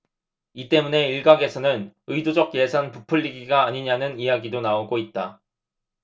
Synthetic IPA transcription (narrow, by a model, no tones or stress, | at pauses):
it͈e̞mune̞iɭɡaɡe̞sʰʌnɯnɯjdod͡ʑʌk̚je̞sʰanpupʰɯʎːiɡiɡaːɲiɲanɯnijaɡidonaoɡoit̚t͈a